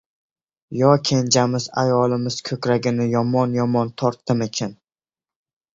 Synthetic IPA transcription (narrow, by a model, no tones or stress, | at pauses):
jɒkʲʰend͡ʒamɪza̰jɒlˠɪmɪz̥kʰɵkʲɾaɡʲɪnɪjɒmɒnjɒmɒnt̪ʰɒɾt̪ːɪme̞kʲʰan